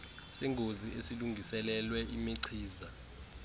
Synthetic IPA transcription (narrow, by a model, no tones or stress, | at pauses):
sɛŋʱoziʔesiluŋɡʱisɛlɛlwɛʔimiǀʰiːza